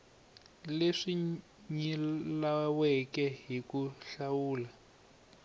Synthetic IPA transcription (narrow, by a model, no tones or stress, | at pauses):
leʂi | ɲilawɛkɛɦikuɬawuːla